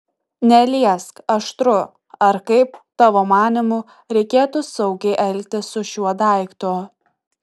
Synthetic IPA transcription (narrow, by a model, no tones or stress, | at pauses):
nʲɛlʲiɛskɐʃt̪ɾʊ | ɐɾkɐɪpt̪ɑʋoːmɑːnʲɪmʊ | ɾʲɛɪkʲeːt̪ʊsɐʊɡʲɛɪʔɛlʲt̪ʲɪsʊʃʲuɔd̪ɐˑɪkt̪oː